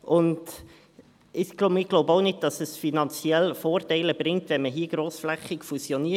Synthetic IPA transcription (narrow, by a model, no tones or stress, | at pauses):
ʔʊnd | ɪxɡ̥lobɪɡ̥loʊbəoʊnɪd̚d̥ɑsəsfinɑnt͡sjɛlfoːrtæɪləb̥ɾɪŋ̚tvɛnməɦiːɡ̥ɾoːsflɛχɪkfusjɔniə